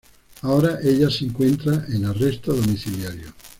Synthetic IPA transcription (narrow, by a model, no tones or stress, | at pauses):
aoːɾaʔeʎasiŋkwent̪ɾaʔenarːest̪oðomiθiljaɾjo